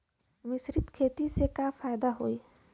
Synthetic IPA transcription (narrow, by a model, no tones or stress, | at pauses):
ʋɪsɾɪt̪kʰeːt̪isekapʰaːjd̪aɦoːi